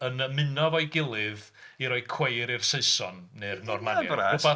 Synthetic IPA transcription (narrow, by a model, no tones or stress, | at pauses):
ənəmɪnɔvɔɨɡɪlˠɪð | iɾɔɨkʰw̥ejɾirseɨsɔnːernɔrmaɛ̰ʊbɔ